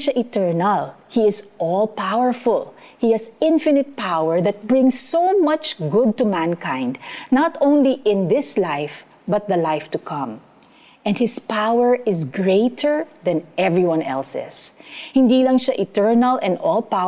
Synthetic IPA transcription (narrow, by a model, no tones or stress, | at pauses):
ʃaʔɪt̪ɛɹnɐlhiɪsʔɔlpawəɹfʊl | hihæsɪ̃nfɪnɪt̪̚pawəɹðɐt̪̚bɹɪ̃ŋsːowmʌt͡ʃɡʊd̪̚t̪umæ̃nkãɪ̃nd̪nat̪õʊ̃nliʔɪ̃nðɪslaɪf | bɐt̪̚ðɐlaɪft̪ukʰʌ̃m | ʔɛ̃nd̚hɪspawɛɹɪzɡɹeɪt̪ʰəɹðɐ̃nʔɛvɹiwãnʔɛ̰lsɪ̰shɪ̃nd̪ilɐŋʃaʔɪt̪ɛɹnɐlʔɛ̃nɔlpa